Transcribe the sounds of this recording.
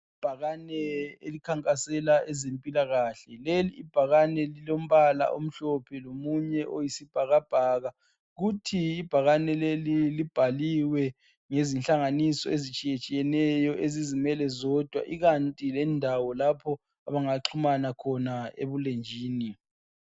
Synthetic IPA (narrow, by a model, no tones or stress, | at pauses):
ib̥ʱaɣanɛelikʰaŋkʼasɛlaʔɛzempʼilaɣaːɬɛleliːb̥ʱaɣanɛlilom̩βala̰ʔom̩ɬɔpʰɛlomuɲɛʔojisib̥ʱaɣab̥ʱaːɣa | ɣutʰiːb̥ʱaɣanɛlelilib̥ʱaliwɛ | ŋezinɬaŋanisɔezit͡ʃʼijet͡ʃʼijɛnɛjɔʔezizimɛlɛzɔd̥ʱwa̰ʔiɣantʼilɛndʱawɔlapʰɔ | aβaŋaǁʰumanakʰɔnaḛβulend͡ʒʱiːni